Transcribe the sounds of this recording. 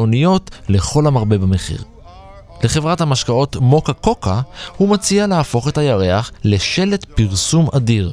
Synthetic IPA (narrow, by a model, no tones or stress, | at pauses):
onijo̞tle̞χo̞lamaʁbebameχḭʁ | le̞χevʁathamaʃkao̞tmo̞kako̞kahumat͡sialeafo̞χe̞thajaʁe̞aχle̞ʃe̞le̞tpiʁsumʔadiʁ